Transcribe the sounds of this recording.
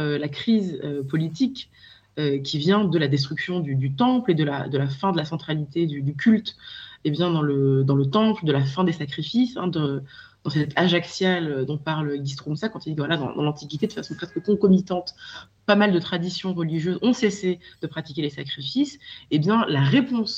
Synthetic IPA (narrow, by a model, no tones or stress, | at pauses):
ølakχizøpɔlit̪̬ik | økʲivjɛ̃d̪əlad̪es̬t̪χyksjɔ̃d̪yd̪yt̪ɑ̃pled̪əla̰d̪əlafɛ̃d̪əlasɑ̃t̪χalit̪ed̪yd̪ykʲylt̪ebjɛ̃d̪ɑ̃ləd̪ɑ̃lət̪ɑ̃pld̪əlafɛ̃d̪esakχifisɛ̰̃d̪ɑ̃d̪̥ɑ̃sɛt̪ʰaʒaksjalød̪ɔ̃paʁløɡʲis̬t̪χumsakɑ̃t̪ild̪ivwalad̪ɑ̰̃d̪ɑ̃lɑ̃t̪ikʲit̪ed̪əfasɔ̃pχɛskəkɔ̃kɔmit̪ɑ̃t̪ | pamald̪ət̪χad̪isjɔ̃ʁəliʒjøzɔ̃sesed̪əpχat̪i̥kʲelesakχifisebjɛ̃laʁepɔ̃s